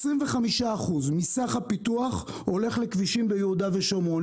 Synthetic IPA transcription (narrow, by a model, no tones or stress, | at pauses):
sʁimveχamiʃaːχuzmisaχhapituaχ | ho̞le̞χlekviʃimbejehud̪aveʃomo